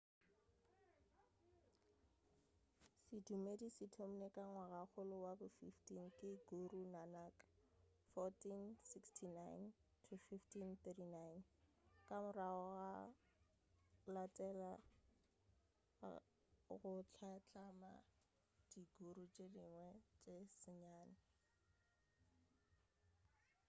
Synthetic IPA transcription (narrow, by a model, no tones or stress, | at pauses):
sɪdumedisɪtʰom̩nekʼaŋwaɣak͡xʊlʊwabʊfiftiŋ̩kʼɪɡorunanakʼḁ | fɔtinsikstʰinajntʰufiftʰinθedinajnkʼamʊraɔɣa | latʼɛla | ɣʊt͡ɬʰat͡ɬʰʼama̰ | d̥iɡoɾut͡ʃʼediŋwɛt͡ʃʼesɪɲaːnɪ